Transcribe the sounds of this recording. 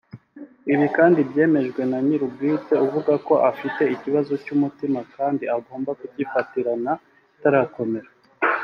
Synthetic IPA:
iβikaːndibje̞ːme̞ʒɡwe̞naɲiɾub̚ɡiːt͡se̞uvuɡako̞ʔafite̞iciβazo̞cumutimakaːndiaɡo̞ːmbakuɟifatiɾana | taɾako̞me̞ɾa

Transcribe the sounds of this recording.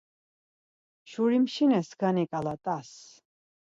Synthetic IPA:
ʃuɾimʃinɛsɡ̥anikʼalat̪ʼas

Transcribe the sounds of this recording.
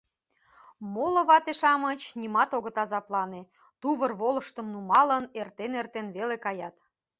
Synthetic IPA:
molɤ̆βɑt̪eʃɑmət͡ɕnʲimɑt̪oɣə̆t̪ɑzɑplɑne | t̪uβərβolə̆ʃt̪ə̆mnumɑlə̆nert̪enert̪enβelekɑjɑt̪

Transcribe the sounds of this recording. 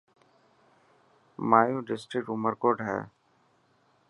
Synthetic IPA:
maːjuːɖɪsʈɾɪk̚ʈʊməɾkoːɖɦɛ̰ː

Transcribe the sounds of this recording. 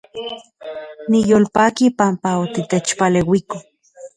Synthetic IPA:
nijoːlpaːkipampaot̪it̪et͡ʃpalewiko

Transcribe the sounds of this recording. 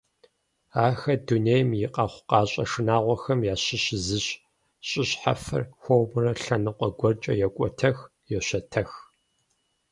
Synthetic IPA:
aːxɐduneːjmjɪqʼɑːχʷqɑːɕʼɐ̰ʂɨnaːʁʷɔxɐmjaːɕɪɕɪzɨɕ | ɕʼɪɕħa̰fɐ̰rxʷowmɨrɐɬɐnɨqʷʼɔɡʷɔrt͡ʃʼɐ̰jɛkʷʼɔtʰɐx | jɛɕɐtʰɐx

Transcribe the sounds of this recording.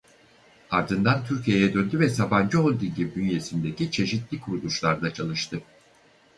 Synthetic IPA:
aɾd̪ɯnd̪ant̪ʰyɾcije̞jɛd̪ønd̪yvɛsaband͡ʒɯolˠd̪iɟʲibid̪ynje̞sind̪e̞cit͡ʃʰe̞ʃit̪lʲikʰuɾud̪ˠuʃlˠaɾd̪at͡ʃʰalˠɯʃt̪ʰɯ

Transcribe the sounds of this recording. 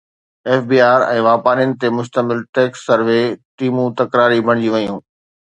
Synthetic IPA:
eːfbiːaːɾɛ̃ːʋaːpaːɾiʊnɪ̆t̪emʊʃ̬t̪əmɪlʈeːksːɐɾʋeʈiːmũt̪ɐkɾaːɾibʱɐɽ̃d͡ʑiʋɐjũː

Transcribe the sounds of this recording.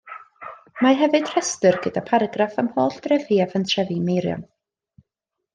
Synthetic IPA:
maɦɛvɨd̥r̥ɛstɨrɡədapʰaɾaɡrafamhoːɬd̥rɛviːavəntʰrɛvimejɾjɔ̰n

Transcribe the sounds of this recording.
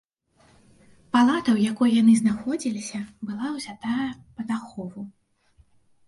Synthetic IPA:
palˠat̪ɐwjakɔjjanɨznaxɔd͡zʲilʲisʲɐbɨlˠawzʲat̪ajɛpɐt̪axɔvu

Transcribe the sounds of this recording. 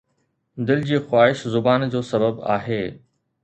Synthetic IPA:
d̪ɪld͡ʑiːxʊwaːɦɪʃzʊbaːnd͡ʑoːsɐbəba̰ːɦeː

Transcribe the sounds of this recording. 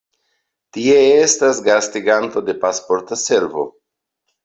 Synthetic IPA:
tie̞estasɡastiɡanto̞de̞paspo̞ɾtase̞ɾvo̞̰

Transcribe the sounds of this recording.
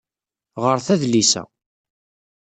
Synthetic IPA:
ʁəɾθæðlisæ̰

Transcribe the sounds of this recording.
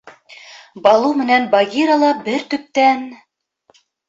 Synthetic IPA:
bɑlˠumɘ̆nænbɑɡʲiɾɑlˠɑbɘɾt̪ɵ̆p̚t̪æn

